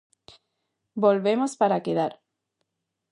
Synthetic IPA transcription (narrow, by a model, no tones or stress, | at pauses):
bo̞lβe̞mospaɾakeðaɾ